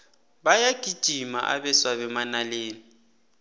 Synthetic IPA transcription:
bajaɡ̥ʱid̥ʒ̥ʱima̰ʔa̰βɛswaβɛmanaleːni

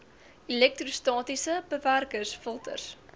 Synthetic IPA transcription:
ilɛk̚trustɑːtisəbəværkəsfəlˠtə̰rs

